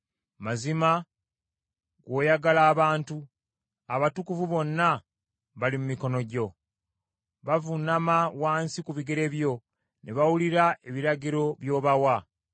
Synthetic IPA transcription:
mazima | ɡo̞ːjaɡalaːβaːntu | aβatukuvuβo̞nːa | βalimumiko̞no̞ɟo̞ | βavunamawaːnsikuβiɡe̞ɾe̞βjo̞ | nʔeβawuliɾae̞βiɾaɟiɾo̞βjo̞ːβawa

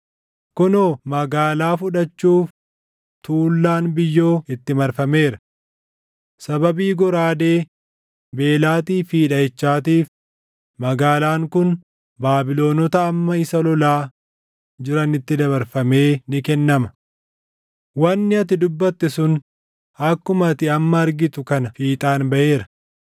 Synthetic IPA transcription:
kʊnoːmɐɡaːlaːfʊᶑɐt͡ʃːuːf | t̪uːlːaːnbɪjːo̞ːɪt̪ːɪmɐɾfɐme̞ːɾɐ | sɐbɐbiːɡɔɾaːd̪eː | be̞ːlaːt̪iːfiːᶑɐɛt͡ʃːaːt̪̬iːf | mɐɡaːlaːŋkʊn | baːbɪlo̞ːnɔt̪ɐːmːɐɪsɐlɔlaː | d͡ʒɪɾɐnɪt̪ːɪd̪ɐβɐɾfɐme̞ːnɪkɛnːɐmɐ | wɐnːɪɐt̪ɪd̪ʊbːɐt̪ːɛsʊn | ɐkːʊmɐt̪ɪɐmːɐɐɾɡɪt̪ʊkɐnɐfiːt̪ʼaːnbɐʔe̞ːɾɐ̥

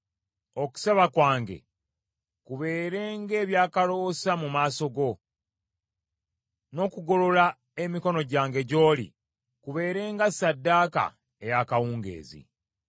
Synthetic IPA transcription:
o̞ku̥seβakwaːŋɡe̞̰ | kuβe̞ːɾe̞ːŋɡe̞ːβjaːkalo̞samumaːso̞ɡo̞ | no̞ːkuɡo̞lo̞la | e̞miko̞no̞ɟaːŋɡe̞ɟo̞ːlḭ | kuβe̞ːɾe̞ːŋɡasadːaːka̰ | ejakawuːŋɡe̞̰ːzḭ

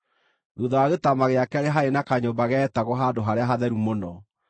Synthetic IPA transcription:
ðuðaaɣetamaɣeakɛɾeɦaenakaɲobaɣɛːtaɣɔɦadoɦaɾeaɦaðɛɾumonɔ

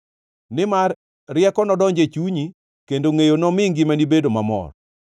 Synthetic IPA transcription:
nɪmarː | ɪjɛkɔnɔdɔɲd͡ʒet͡ʃuɲi | kendoŋejonɔmɪŋɡɪmanibedomamɔ̰r

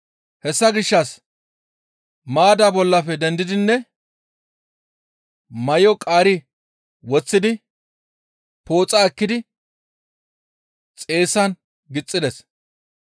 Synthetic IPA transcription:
hɛsːɐɡɪʃːɐs | maːd̪aːbɔlːɐfɛd̪ɛnd̪ɪd̪ɪnːɛ | mɐjɔkʼaːɾɪ | wɔt͡sːɪd̪ɪ | po̞ːt͡sʼaɛkːɪd̪ɪ | t͡sʼe̞ːsɐn | ɡɪt͡sʼːɪd̪ɛs

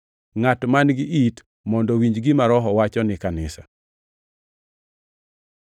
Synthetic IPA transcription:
ŋatmanɡɪit | mɔndɔwiɲd͡ʒɡɪmaɾɔɦɔwat͡ʃɔnɪkanɪsa̰

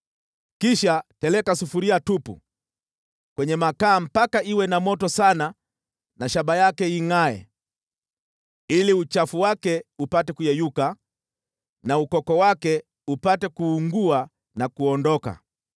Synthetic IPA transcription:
kiʃatɛlɛkasufuɾiatupṵ | kwɛɲɛmakaːm̩pakaiwɛnamɔtɔsana | naʃabajakɛiŋaɛ̰ | iliut͡ʃafuwakɛupatɛkujɛjuka | naukɔkɔwakɛ | upatɛkuːŋɡua | nakuɔndɔka̰

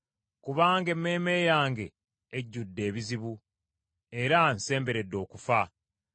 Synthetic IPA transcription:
kuβaːŋɡe̞mːe̞ːme̞ːjaːŋɡe̞ː | ɟːudːe̞ːβiziβu | e̞ɾanse̞ːmbe̞ɾe̞dːo̞ːkufa

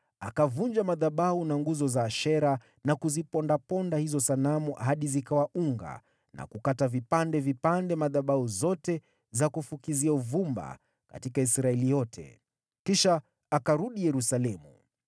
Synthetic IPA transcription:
akavund͡ʒamaðaɓaunaŋɡuzɔzaːʃɛɾa | nakuzipɔndapɔndahizɔsanamuɦaɗizikawauŋɡa̰ | na̰kukatavipandɛvipandɛmaðaɓauzɔtɛ | zakufukiziauvumba̰ | ka̰tikaisɾaɛlijɔtʰɛ̰ | kiʃaː | kaɾuɗijɛɾusalɛmṵ

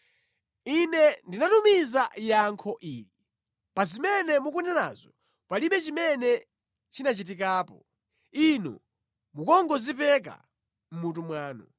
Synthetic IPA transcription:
inɛndinatumizajaŋkʰɔʔiːli | pazimɛnɛmuk̬unana̰zɔ | paliɓɛt͡ʃimɛnɛ | t͡ʃinat͡ʃit̬ik̬aːpɔ | inɔ̰ | mukɔŋɡɔzipɛk̬a̰ | m̩mutumwaːnɔ

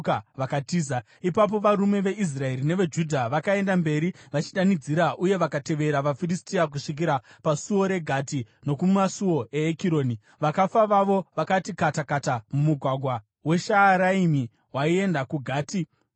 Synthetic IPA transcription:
kaʋakatiːza | ipap̬o̞ʋaɾume̞ʋe̞ʔis̬rae̞ɾine̞ʋe̞d͡ʒudʱaʋakae̞ndambe̞ɾiʋat͡ʃiɗanid͡ziɾaʔuje̞ʋakate̞ʋe̞ɾaʋafiristiak̬uʂik̬iɾapasuwo̞ɾe̞ɡʱati | no̞kumasuo̞e̞ːkiɾo̞ːni | ʋakafaʋaʋo̞ʋakatikatakatamumuɡʱwaɡʱwa | we̞ʃaːɾaimi | waie̞ndakuɡʱaːti

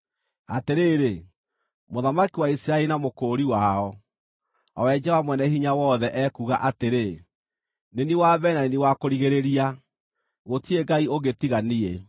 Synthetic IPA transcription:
ateɾeɾe | moðamakiwaisiɾaɛɾinamokoɾiwaːɔ | ɔwɛd͡ʒɛwamwɛnɛhiɲawɔðɛʔɛkuɣaʔateɾe | neniwaβɛnaneniwakoɾiɣeɾeɾia | ɣotieɡaioɣetiɣanie

